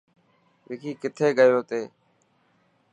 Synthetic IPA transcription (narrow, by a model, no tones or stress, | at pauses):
ʋɪːkʰiːkɪt̪ʰeːɡəjoːt̪eː